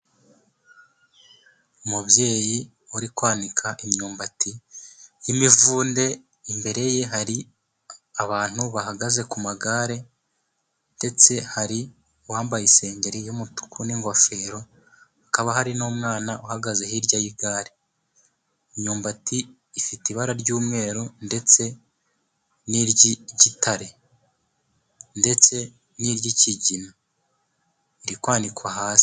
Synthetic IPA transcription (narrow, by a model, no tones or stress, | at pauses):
umubje̞ːji | uɾikwaːnikʰaʔimɲuːmbatijimivuːnde̞ | imbe̞ɾe̞je̞ɦaɾi | aβaːn̥huβaɦaɡaze̞kumaɡaɾe̞ | nde̞t͡se̞haɾi | waːmbajise̞ːɲɟe̞ɾijumutu̥kʰuniŋɡo̞fe̞ɾo̞ | akaβaɦaɾinoːmŋaːnaʔuhaɡaze̞hiɾɟajiɡaːɾi | iɲuːmbatiː | fitiβaɾaɾɟuːmŋe̞ːɾonde̞t͡se̞ | niɾɟiɟitʰaɾe | nde̞t͡se̞ | niɾɟiciɟina | iɾikwaːndikwaɦaːsi̥